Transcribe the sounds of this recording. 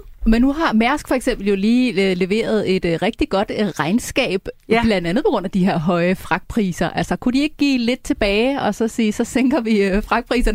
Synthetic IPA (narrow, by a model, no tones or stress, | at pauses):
menːuɦɑ̈mæɐsɡ̥fɒ̽eɡ̥semb̥l̩jo̝liːle̝ʋe̝̰ːɐð̞ˠe̝d̥ʁɛɡ̥̚d̥iɡ̥ɒ̽d̥ʁɑ̈ɪnsɡ̥ɛ̰ːb̥b̥lænd̥ænð̩ˠpʰɒ̽ɡ̥ʁoɔ̽n̰æd̥ihe̝ɐ̰ɦɒ̽ɪəfʁɑ̈ɡ̥̚pʰʁḭːsɐʔæl̰sɐkʰudie̝ɡ̥̚ɡ̥ḭːle̝d̥̚t͡sʰe̝b̥ɛːɪɒ̽sɒ̽siːsɒ̽seŋ̰ɡ̥ɐʋifʁɑ̈ɡ̥̚pʰʁḭːsɐn